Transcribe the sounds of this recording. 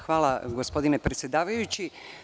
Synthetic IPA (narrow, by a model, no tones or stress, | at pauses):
xʋaːlˠaɡospo̞d̪inepɾet̪sʲjed̪aːʋajut͡ɕi